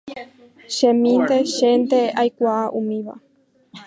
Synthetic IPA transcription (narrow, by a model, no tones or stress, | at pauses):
ʃẽmĩnd̪e̞ʃend̪eajkʷaaʔũmĩʋa̰